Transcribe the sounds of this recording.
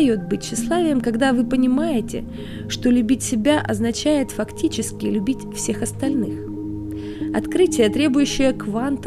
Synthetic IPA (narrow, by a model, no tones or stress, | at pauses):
jo̞t̪̚bɨtʲɕːɪslˠavʲɪjəmkɐɡd̪avɨpənʲɪmajɪtʲɪ̰ | ʂt̪o̞lʲʉbʲitʲsʲɪbʲaʔɐ̰znɐt͡ɕæjɪt̪fɐktʲit͡ɕɪskʲɪlʲʉbʲitʲfsʲe̞xɐst̪ɐlʲnɨx | ɐ̰t̪kɾɨtʲɪjət̪ɾʲe̞bʊjʉɕːɪjəkvant̪